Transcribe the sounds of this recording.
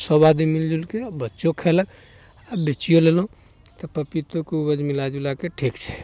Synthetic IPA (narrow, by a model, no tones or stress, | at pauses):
sɔbad̪imild͡ʒulkebətːʃokʰɛlək | abet͡ʃijolelɦũ | t̪ɔpəpit̪okeubəd͡ʒmilad͡ʒulakeʈʰikt͡ʃʰɛ̥